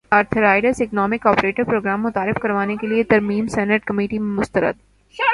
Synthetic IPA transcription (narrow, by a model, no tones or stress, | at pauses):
aːɾt̪ʰəɾaːɪɖəɾsɪknɔːmɪkɔːpɾeːʈəɾpɾoːɡɾaːmːʊt̪aːɾɪfkɐɾʋaːnekeliet̪ɐɾmiːmsɛːnəʈkɐmiːʈimẽmʊst̪əɾə̰d̪̚